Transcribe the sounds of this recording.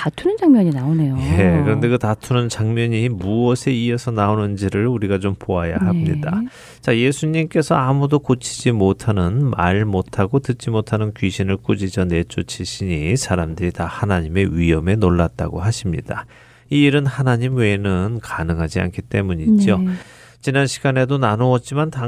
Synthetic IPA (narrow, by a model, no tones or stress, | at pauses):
tatʰunɯnd͡ʑaŋmjʌɲinaone̞jojekɯɾʌnde̞kɯtatʰunɯnt͡ɕaŋmjʌɲimuʌsʰe̞iesʰʌnaonɯnd͡ʑiɾɯɭuɾiɡat͡ɕompoajaɦamɲḭda | t͡ɕaje̞sʰuɲimk͈e̞sʰʌamudokot͡ɕʰi̥d͡ʑimotʰanɯnma̰ɭmotʰaɡotɯt̚t͡ɕ͈imotʰanɯnkɥiɕʰinɯɭk͈ud͡ʑid͡ʑʌne̞t͡ɕ͈ot͡ɕʰiɕʰiɲisʰaɾamdɯɾitahanaɲime̞ɥijʌme̞noɭːat̚t͈a̰ɡoɦaɕʰimɲḭd̥a | iːɾɯnhanaɲimweːnɯnkanɯŋɦad͡ʑia̰nkʰit͈e̞muɲid͡ʑo | t͡ɕinanɕʰiɡ̥ane̞donanoʌt̚t͡ɕ͈imanta